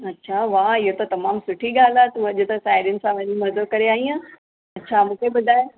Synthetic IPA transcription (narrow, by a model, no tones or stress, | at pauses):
ɐtːɕʰaʋaɪɦot̪ɐt̪ɐmaːmsʊʈʰiɡaːlaːt̪ũɐʄot̪ɐsaːɪɾjʊnɪ̆sãʋɐ̃ɲimɐd̪̚kɐɾeaːɦiãː | ɐtːɕʰamũːkʰebɐd̪ʱaːj